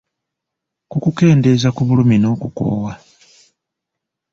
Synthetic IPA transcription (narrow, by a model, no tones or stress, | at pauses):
kukuke̞ːnde̞zakuβuluminoːkuko̰ːwa